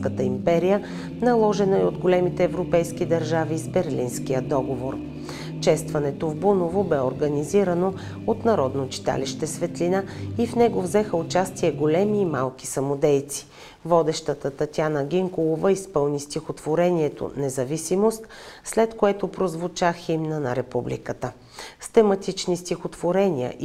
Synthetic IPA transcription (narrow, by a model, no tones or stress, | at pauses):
kət̪əimpɛɾijə | nɐlˠɔʒɛnəiod̪ɡolɛmit̪ɛːvɾopɛjskid̪ɐɾʒavizbɛɾlinskijəd̪ɔɡovoɾ | ʃɛst̪vɐnɛt̪ovbunovobɛoɾɡɐniziɾɐno | ot̪nɐɾɔd̪not͡ʃi̥t̪a̰liʃt̪ɛsvɛt̪linaifnɛɡovzɛxəʊt͡ʃast̪iɛɡolɛmiːmalˠki̥sɐmod̪ɛjt̪si̥ | vɔd̪ɛʃt̪ət̪ət̪ɐt̪ʲjanəɡʲiŋkolˠovəispɤlˠnist̪ʲixot̪voɾɛniɛt̪o̰nɛzɐvisimost̪slɛt̪koɛt̪opɾozvʊt͡ʃaximnənɐɾɛpublḭkət̪ə | st̪ɛmɐt̪it͡ʃnist̪ʲixot̪voɾɛnʲiə̰ʔ